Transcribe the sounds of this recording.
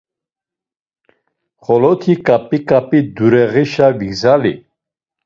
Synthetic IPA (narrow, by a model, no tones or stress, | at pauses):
χɔlɔt̪ʰikʼapʼikʼapʼid̪uɾɛʁiʃaviɡzalḭ